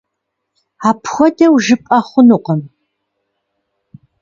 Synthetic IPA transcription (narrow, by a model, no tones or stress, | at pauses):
aːpʰxʷɔdɐwʒɨpʼɐχʷʊnuqɐm